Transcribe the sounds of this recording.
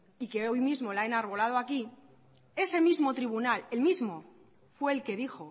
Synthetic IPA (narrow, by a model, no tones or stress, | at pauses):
ike̞o̞jmizmo̞laenaɾβ̞o̞lað̞oaki | e̞se̞mizmo̞t̪ɾiβunale̞lmizmo̞ | fwe̞ːlke̞ðixo̞